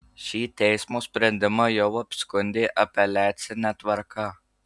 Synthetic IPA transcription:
ʃiːt̪ʲɛjsmospʲɾʲɐnʲd̪ʲɪmɐjɔwɐpʲskʊnʲd̪ʲeːʔɐpʲɛlʲæːt̪sʲɪnʲɛt̪ʋɐɾkaː

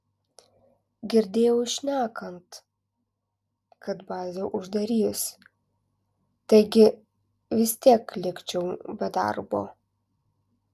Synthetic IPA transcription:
ɡʲɪɾʲd̪ʲeːjɛʊɪʃʲnʲæːkɐnt̪ | kɐt̪bɑːzʲoːʔʊʒd̪ɐɾʲiːs | t̪ɐɪɡʲɪ | ʋʲɪsʲt̪ʲiɛklʲɪkt͡ʃʲɛʊbʲɛd̪ɐ̰ɾbo̰ː

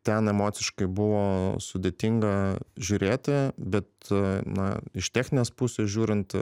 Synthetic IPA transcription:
t̪ʲɛnɛmoːt̪sʲɪʃkɐɪbʊʋoːsʊd̪ʲeːt̪ʲiŋɡɐʒʲʊːɾʲeːt̪ʲɪbʲɛt̪nɐ̰ɪʃt̪ʲæːxʲnʲɪnʲeːspusʲeːsʒʲuːɾʲɪnt̪

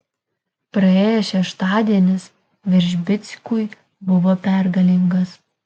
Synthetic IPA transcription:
pɾɐeːjɛʃʲɛʃt̪ɑːd̪ʲiɛnʲɪs | ʋʲɪɾʲʒʲbʲɪt̪sʲkʊj | bʊʋoːpʲɛˑɾɡɐlʲɪŋɡɐs

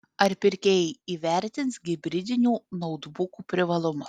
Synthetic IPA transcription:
ɐɾʲpʲɪɾʲkʲeːjɛiːʋʲɛˑɾʲt̪ʲɪntsɡʲɪbʲɾʲɪd̪ʲɪnʲuːnɔʊd̪bʊkuːpʲɾʲɪʋɐlˠʊmʊ

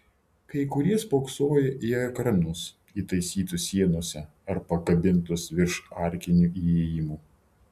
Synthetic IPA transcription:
kɐɪkʊɾʲiɛspoːksoːjɛʔiɛkɾɐnʊs | iːt̪ɐɪsʲiːt̪ʊsʲiɛnoɔsʲɛ | ɐɾpɐkɐbʲɪnˑt̪ʊsʋʲɪɾʃɑˑɾʲkʲɪnʲuiːeːjɪmuː

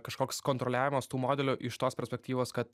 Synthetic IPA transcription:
kɐʃkoːkskoːnt̪ɾolʲæːʋʲɪmɐst̪uːmoːd̪ʲɛlʲʊʔɪʃt̪oːspʲɛɾʲsʲpʲɛk̚ʲt̪ʲiːʋoːskɐt̪

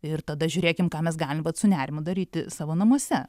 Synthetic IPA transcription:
ɪrt̪ɐd̪ɐʒʲʊːɾʲeːkʲɪmkɑːmʲɛsɡɑːlʲɪmʋɐt̪sʊnʲæːɾʲɪmʊd̪ɐɾʲiːt̪ʲɪsɑːʋoːnɐmuɔsʲɛ

